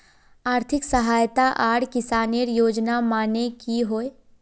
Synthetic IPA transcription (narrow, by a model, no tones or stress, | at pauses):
aːɾt̪ʰɪksɐɦaːjt̪aʔaːɽkɪsaːniəɾjoːd͡ʒnamaːnekiɦoːe